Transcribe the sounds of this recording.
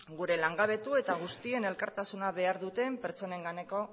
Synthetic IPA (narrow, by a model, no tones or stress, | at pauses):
ɡuɾe̞laŋɡaβ̞e̞t̪ue̞t̪aɣ̞ust̪ie̞ne̞lkaɾt̪asunaβe̞aɾðut̪e̞mpe̞ɾt͡ʃo̞ne̞ŋɡane̞ko̞